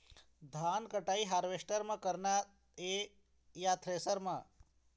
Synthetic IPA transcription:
d̪ʱankəʈaiɦaɾʋesʈəɾmãkəɾna | e | jat̪ʰɾesəɾmã

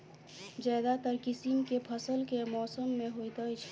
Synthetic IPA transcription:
d͡ʒaːd̪at̪əɾkɪsimkepʰəsəlkemɔːsəmːẽɦoːit̪aɪt͡ʃʰ

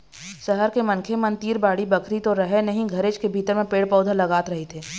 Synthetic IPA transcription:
sɐɦəɾkemɐ̃nkʰemɐnt̪iːɾbaːɽibɐkʰɾit̪oɾɐɦɛnɐɦĩɡʱɐɾeːt͡ʃkebʱiːt̪əɾmẽpeːɽpɔːd̪ʱalɐɡaːt̪ɾɐɦet̪ʰeː

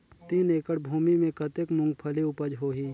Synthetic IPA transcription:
t̪iːneːkəɽbʱuːmimẽkət̪ekmʊ̃ŋɡpʰəliʊpəd͡ʒɦoːɦiː

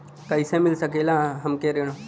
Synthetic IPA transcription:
kɐɪsẽmɪlsəkeːlãɦəmkeɾeːɽ̃oː

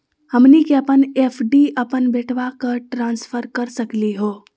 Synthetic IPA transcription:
hɐmnikeɐpəneːfʰɖiəpənbeːʈʰʋakəʈɾãːnsfʰəɾkɐɾsəkliɦoː

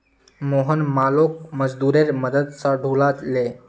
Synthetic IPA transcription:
moɦənmalok̚məd͡zd̪uːɾeɾməd̪əd̪saɖʱuɭat̪le

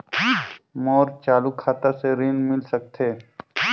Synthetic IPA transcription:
mɔːɾt͡ʃaːlukʰːaːt̪aseɾiːnmɪlsək̚t̪ʰeː

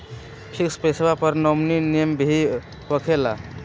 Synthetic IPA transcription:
pʰikspesebapəɾnɔmninembʱi | bəkʰela

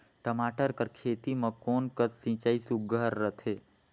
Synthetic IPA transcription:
ʈəmaːʈəɾkəɾkʰeːt̪imɐ̃koːnkətsĩt͡ʃaːisuɡʱəɾːət̪ʰe

